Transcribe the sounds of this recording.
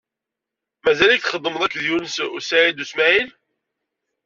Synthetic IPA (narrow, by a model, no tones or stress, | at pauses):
mæzælækθχəd̪ˤːəməðˤækːðjunəsusaʕid̪usmæʕil